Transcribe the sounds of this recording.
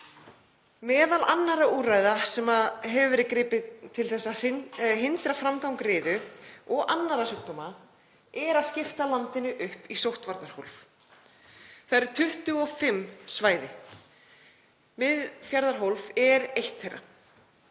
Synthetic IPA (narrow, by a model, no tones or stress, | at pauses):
mɛːðalanːaɾauːraːjðasɛmaɦɛvvɾɪkɾɪːpɪt̪ʰɪlθɛsːḁɦɪnt̪ɾafɾamkawŋkrɪːðʏɔɣʔanːaɾasʏk̚t̪ɔma | ɛɾaðscɪft̪alant̪ɪnʏʔʏhpisowht̪vaɾt̪aɾ̥howlv | θaɛɾɪɾ̥t̪ʰʏht̪ʏɔfɪmsvaːjðɪ | mɪðfjaɾðaɾ̥ɦowlvɛɾejht̪θejra̰